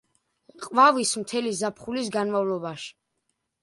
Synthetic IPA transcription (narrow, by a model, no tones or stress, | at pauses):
qʼvavismt̪ʰɛlizapʰχulisɡanmavlɔbaʃi̥